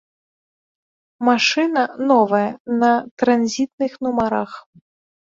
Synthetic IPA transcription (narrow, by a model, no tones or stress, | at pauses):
maʂɨnɐnɔvɐjɐnɐt̪ɾanzʲit̪̚nɨxnumaɾax